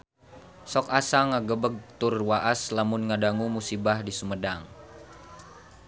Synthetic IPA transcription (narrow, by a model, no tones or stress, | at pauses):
sɔkasaŋaɡəbəɡ̚t̪ʊrwaʔaslamʊnŋadaŋumusibahdisumədaŋ